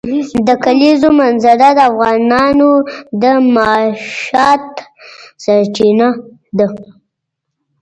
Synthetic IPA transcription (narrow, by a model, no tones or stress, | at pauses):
d̪əkalizomanzaɾad̪əafɣɑnɑnod̪əmɑʃɑt̪saɾt͡ʃina | d̪ə